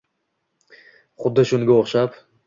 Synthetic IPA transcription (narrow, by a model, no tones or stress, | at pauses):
χʊd̪ːɪʃʊŋɡʲaoχʃap